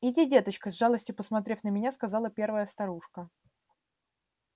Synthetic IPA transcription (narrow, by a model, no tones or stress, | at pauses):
ɪdʲidʲe̞t̪ət͡ɕkəzʲʐalˠəsʲtʲjʊpəsmɐt̪ɾʲefʲnəmʲɪnʲaskɐzɑlˠəpʲe̞rvəjəst̪ɐɾuʂkə